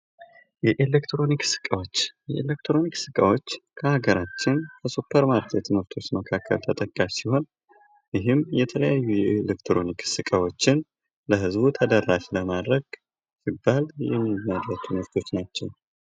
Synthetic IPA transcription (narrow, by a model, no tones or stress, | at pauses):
jɛʔelekt̪ɾo̞niksɨ̥kʼəwot͡ʃːjɛʔelek̚t̪ɾo̞niksɨkʼəwo̞t͡ʃːkʰəhaɡəɾat͡ʃːɪnkʰəsupʰːəɾmaɾkʰet̪ʰɨmɨɾt̪ʰo̞t͡ʃːməkʰakːə̰lt̪ʰət̪ʼəkʼːaʃsiho̞n | jɪɦɨmjɛt̪ʰələjajːujɛelekt̪ʰɾo̞niksɨkʼəwo̞t͡ʃːɪn | ləɦɨzbut̪ʰəd̪ərːaʃləmad̪ɾəɡ | sibːaljɛ̰mːimːərːət̪ʰɨmɨɾt̪ʰo̞t͡ʃːnat͡ʃːɛw